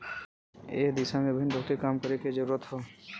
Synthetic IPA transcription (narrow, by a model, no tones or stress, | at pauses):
eːkd̪ɪsamẽbʱəɪnbʱoːt̪ikaːmkəɾeked͡ʒəɾuːɾət̪ɦoː